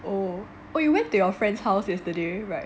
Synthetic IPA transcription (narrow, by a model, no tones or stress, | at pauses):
o | ojuwɛ̃ntujɔfɹɛ̃ndshaʊsɛstudeɹaɪt